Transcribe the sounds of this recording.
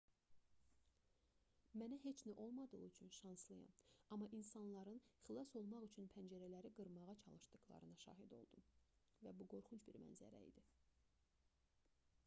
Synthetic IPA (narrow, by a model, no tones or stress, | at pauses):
mænæɦe̞t͡ʃʰnæʔo̞lˠmɑd̪ɯʁyt͡ʃʰynʃɑnslˠɯjɑ̰nɑmːɑʔinsɑnlˠɑɾɯnχlˠɑso̞lˠmɑʁyt͡ʃʰynpʰænd͡ʒæɾælæɾiɡɯɾmɑʁɑt͡ʃʰɑlˠɯʃd̪ɯɣlˠɑ̰ɾɯnɑʃɑ̰ːɦid̪o̞̰lˠd̪um | væbuɡo̞ɾχunt͡ʃbiɾmæ̰nzæ̰ɾæ̰ḭd̪i